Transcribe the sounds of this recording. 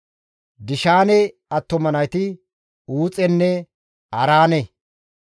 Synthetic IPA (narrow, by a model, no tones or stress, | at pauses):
d̪ɪʃaːnɛ | ɐt̪ːɔmɐnɐjt̪ɪ | uːt͡sʼɛnːɛ | ɐɾaːnɛ